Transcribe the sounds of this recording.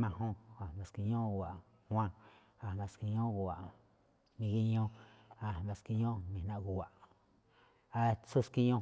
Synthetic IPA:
mã˧ɦõ˦a˨a˧ski˧ɲõ˦ɣu˨a˨ | hw̃ʷã˦ | a˧˨βã˧ski˧ɲõ˦ɣu˨a˨ | mĩ˧ɣi˦ɲõ˦a˧˨βa˧ski˧ɲõ˦mĩ˧nã˧ʔɣu˨a˨ʔ | a˧t͡su˦ski˧ɲõ˦

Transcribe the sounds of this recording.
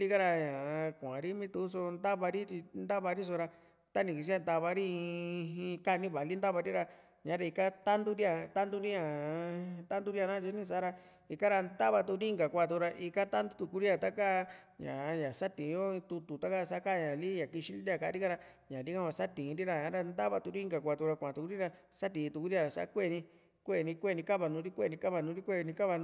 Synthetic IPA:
li˦ka˦ɾa˧ɲã˨˧kʷã˨ɾi˦mĩ˦t̪u˧˦s̬o˧nd̪a˦βa˧ɾi˦t̪i˧nd̪a˦βa˧ɾi˦s̬o˧ɾa˧ | t̪a˦nĩ˧˨ki˧s̬i˦a˦˧nd̪a˧βa˧ɾĩ˦˧ĩ˧ka˦˧nĩ˦βa˨li˦nd̪a˦βa˧ɾi˦ɾa˧ | ɲã˨˦ɾa˧i˧ka˦t̪a˦nd̪u˦ɾi˦a˧t̪a˦nd̪u˦ɾi˦ɲã˨ | t̪a˦nd̪u˦ɾi˦a˧nã˦t͡ʃi˧˦nĩ˧s̬a˦ɾa˧ | i˧ka˦ɾa˧nd̪a˦βa˧t̪u˧ɾi˦ŋɡa˨kʷa˧˨u˧ɾa˧ʔi˧ka˦t̪a˦nd̪u˦t̪u˧ku˧ɾi˦ã˨t̪a˦ka˦˧ | ɲã̰˨˧ɲã˨sa˦t̪ĩ˨˧jo˦ĩ˧t̪u˧t̪u˨t̪a˦ka˦˧sa˧˦ka˦˧ɲã˨li˦ɲã˨ki˧ʃĩ˦ni˦i˦a˧˨ka˧˨˦ɾi˦ka˦˧ɾa˧ | ɲã˨li˦kã˦βa˧sa˦t̪ĩ˨˧ɾi˦ɾa˧ɲã˦ɾa˧nd̪a˦βa˧t̪u˧ɾi˦ŋɡa˨kʷa˧˨t̪u˧ɾa˧kʷã˨t̪u˨ku˧˦ɾi˦ɾa˧ | sa˦t̪ĩ˨˧t̪u˧˨ku˧˦ɾi˦a˧ɾa˨sa̰˧˦kʷe˦˨nĩ˧ | kʷe˦˨nĩ˧kʷe˦˨nĩ˧ka˦βa˧nũː˧˦ɾi˦kʷe˦˨nĩ˧ka˦βa˧˨nũː˧˦ɾi˦kʷe˦˧nĩ˧ka˦βa˧

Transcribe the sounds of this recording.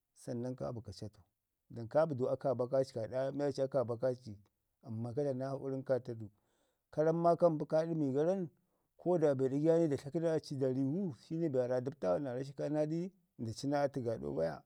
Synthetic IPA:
sa˨nːa˦nka̰˦bu˨ka˨t͡ʃa˦to˨ | da˨nka˦bu˨du˨a˦ka˨ba˦ka˦t͡ʃi̥˨ka˨da˦ma˦a˦t͡ʃi˦a˦ka˨ba˦ka˦t͡ʃi˨ | a˨mːa˨ka˦da˨na˦ha˦ʔṵ˦ɾi˦nka˦ta˦du˨ | ka˦ɾa˦mːa˦ka˦m˦bu˦ka˦ɗi˦mi˨ɡa˦ɾa˦n | kʰo˦da˨be˨da˦ɡja˦ni˦da˨ɬa˦ki˦na˦˨t͡ʃi˦da˨ɾi˨wu˦ʃi˦ni˦ba˨ɾa˨du˦b̚ta˦wa˦na˨ɾa˦ʃ̬i˦ka˦na˦di˦˨ | da˨t͡ʃi˦na˦ti˨ɡa˨ɗo̰˦ba̰˦ja̰˨

